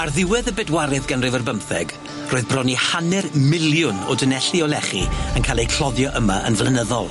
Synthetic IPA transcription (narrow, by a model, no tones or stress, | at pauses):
arðɪwɛðəbɛdwaɾɛðɡanrɨvərbəmθɛɡ | roːɨðbrɔnihanɛrmɪljʊnɔ̰dənɛɬiɔlɛχiənkʰalˠejkʰl̥ɔðjɔʔəmaə̰nvlˠənəðɔlˠ